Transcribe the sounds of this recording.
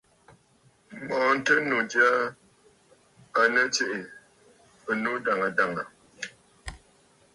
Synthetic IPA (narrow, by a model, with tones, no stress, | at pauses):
mɔ̃˨˦n̩˦tə˦nu˨d͡ʒja˦ | a˨nə˦t͡ʃe˦ʔe˨ | ə˨nu˦da˨ŋa˨da˨ŋa˨